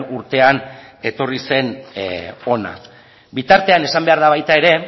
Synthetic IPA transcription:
uɾt̪e̞ane̞t̪o̞rise̞n | o̞na̰ | bit̪aɾt̪e̞ane̞sambe̞aɾðaβajt̪ae̞ɾe̞

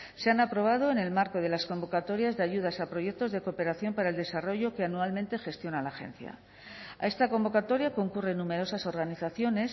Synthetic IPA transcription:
se̞anapɾo̞β̞að̞o̞ene̞lmaɾko̞ð̞e̞lasko̞mbo̞kat̪o̞ɾjazðeaʝuð̞asapɾo̞ʝe̞k̚t̪o̞zðe̞ko̞pe̞ɾaθjo̞mpaɾae̞ld̪e̞saro̞ʝo̞ke̞anualmẽnt̪e̞xe̞st̪jo̞nalaxe̞̰nθja̰ | a̰e̞st̪ako̞mbo̞kat̪o̞ɾjako̞ŋkure̞nːũme̞ɾo̞saso̞ɾɣaniθaθjo̞ne̞s

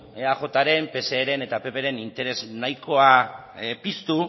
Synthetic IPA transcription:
eaxo̞t̪aɾe̞mpe̞se̞ːɾe̞ne̞t̪ape̞pe̞ɾe̞nint̪e̞ɾe̞znajko̞a | pist̪u

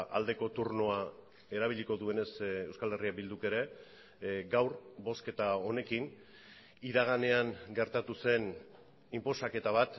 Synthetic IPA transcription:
ʔa̰ld̪e̞ko̞t̪uɾno̞a | e̞ɾaβ̞iʎiko̞ðue̞ne̞se̞wskale̞riak̚bild̪uke̞ɾe̞ | ɡawɾbo̞ske̞t̪ao̞ne̞kin | iðaɣ̞ane̞aŋɡe̞ɾt̪at̪use̞n | impo̞sake̞t̪aβ̞at̪

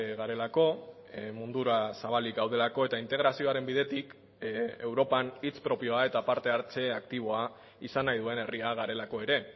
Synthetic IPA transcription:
ɣaɾe̞lako̞ | mund̪uɾasaβ̞alikɡawð̞e̞lako̞e̞t̪aint̪e̞ɣ̞ɾasio̞aɾe̞mbiðe̞t̪ik | e̞wɾo̞panit͡spɾo̞pio̞ae̞t̪apaɾt̪e̞aɾt͡se̞ak̚t̪iβ̞o̞a | isanajðue̞ne̞riaɣaɾe̞lako̞e̞ɾe̞

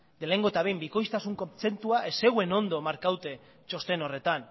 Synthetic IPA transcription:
d̪e̞le̞ŋɡo̞et̪aβe̞jmbiko̞jst̪asuŋkomt͡se̞nt̪uaʔese̞ɣue̞no̞nd̪o̞maɾkawt̪e̞ | t͡ʃo̞st̪e̞no̞re̞t̪an

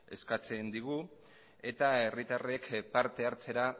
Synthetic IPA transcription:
e̞skat͡se̞nd̪iɣu | e̞t̪ae̞rit̪are̞kpaɾt̪e̞aɾt͡se̞ɾa

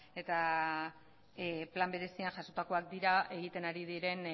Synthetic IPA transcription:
e̞t̪a | plambe̞ɾe̞sianʝaso̞t̪ako̞ak̚d̪iɾae̞ɣ̞it̪e̞naɾið̞iɾe̞n

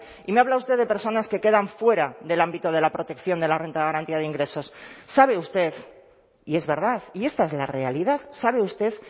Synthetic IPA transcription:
imeaβlaust̪eðe̞pe̞ɾso̞naske̞ke̞ðaɱfwe̞ɾaðe̞lambit̪oð̞e̞lapɾo̞t̪e̞kθjo̞nd̪e̞lare̞nt̪aðɣaɾant̪iað̞eiŋɡɾe̞so̞sːaβ̞e̞ust̪e̞θ | ie̞zβe̞ɾð̞aθie̞st̪aezlare̞aliðaðsaβe̞ust̪e̞θ

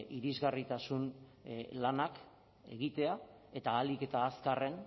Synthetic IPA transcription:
iɾizɣarit̪asun | lanak | e̞̰ɣit̪e̞a | e̞t̪aːlike̞t̪aːskare̞n

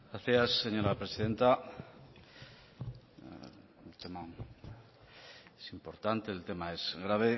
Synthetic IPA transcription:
ɡɾaθjasːe̞ɲo̞ɾapɾe̞siðe̞nt̪a | unt̪ema | esimpo̞ɾt̪ant̪e̞ːlt̪e̞mae̞zɣɾaβ̞e

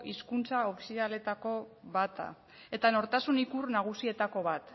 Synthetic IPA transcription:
ʔiskunt͡saofi̥siðale̞t̪ako̞βat̪a̰ | e̞t̪ano̞ɾt̪asunikurnaɣ̞usie̞t̪ako̞β̞at̪

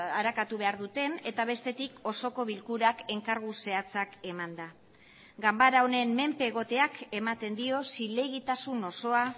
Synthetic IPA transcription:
aɾakat̪uβe̞aɾðut̪e̞ne̞t̪aβ̞e̞st̪e̞t̪iko̞so̞ko̞β̞ilkuɾake̞ŋkaɾɣ̞use̞at͡sake̞mand̪a | ɡambaɾaone̞mme̞mpe̞ːɣ̞o̞t̪e̞ake̞mat̪e̞nd̪io̞sile̞ɣit̪asuno̞so̞a

